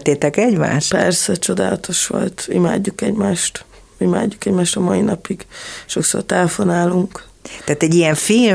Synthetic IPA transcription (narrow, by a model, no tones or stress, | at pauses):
t̪ːeːt̪ɛkɛɟma̰ːʃpɛrsɛt͡ʃo̞d̪a̰ːlɒt̪o̞ʃʋo̰lt̪ima̰ːɟːukɛɟmaːʃt̪ | ima̰ːɟːukɛɟmaːʃt̪ɒmɒinɒpiɡʃo̞kso̰rt̪ɛlɛfo̞naːluŋk | t̪ɛaːt̪ɛɟijɛɱfil